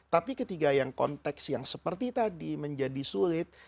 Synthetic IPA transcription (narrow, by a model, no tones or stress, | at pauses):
t̪apikət̪iɡajaŋkɔ̰nt̪ɛksjaŋsəpərt̪it̪adiməɲd͡ʒadisulɪt̪̚